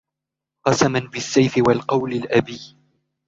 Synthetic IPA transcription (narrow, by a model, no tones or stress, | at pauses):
qɑsamanbɪsːajfɪwalqɑwlɪlʔabiː